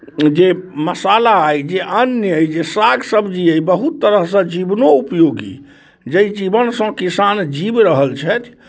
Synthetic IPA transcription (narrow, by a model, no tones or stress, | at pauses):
d͡ʒeməsalaːjd͡ʒeʔənjəjd͡ʒesaɡsəbd͡ʒiəjbəɦut̪ːəɾəɦsə̃d͡ʒibnoupjoɡḭ | d͡ʒəjd͡ʒibənsə̃kisand͡ʒibɾəɦəlt͡ʃʰɛt̪ʰ